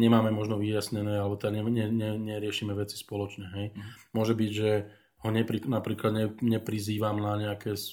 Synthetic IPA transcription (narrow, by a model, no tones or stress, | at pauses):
ɲɛmaːmɛmɔʒnɔʋijasɲɛnɛːalɛɔt̪ɲɛɲɛɲɛɲɛɾɪɛʃiːmɛʋɛt͡si̥spɔlɔt͡ʃɲɛɦɛjmʊɔʒɛbiɟʒɛ | hɔɲɛpɾiknapɾiːklad̪ɲɛɲɛpɾiziːʋamnaɲɛakɛs